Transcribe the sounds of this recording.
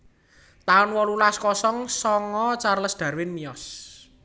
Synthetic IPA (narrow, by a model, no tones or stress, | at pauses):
t̪aʊnwɔlulaskɔsɔŋsɔŋɔt͡ʃarləsd̪̥ä̤rwɪnmijɔs